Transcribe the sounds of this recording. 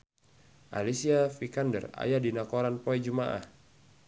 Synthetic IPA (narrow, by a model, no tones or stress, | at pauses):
ʔa̰lisiafikandə̰ra̰jadinakoɾanpɔɛd͡ʒumaʔa̰h